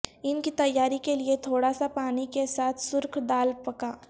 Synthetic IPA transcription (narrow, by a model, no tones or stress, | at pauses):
ɪnkit̪ɐjːaːɾikeliet̪ʰoːɽasapaːnikesaːt̪ʰsʊɾkʰɖ̪aːlpɐkaː